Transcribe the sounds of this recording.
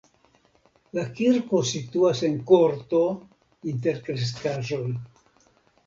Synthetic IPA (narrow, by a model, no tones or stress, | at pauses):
lakiɾko̞situase̞nko̞ɾto̞ | int̬e̞ɾkɾes̬kaʒo̞j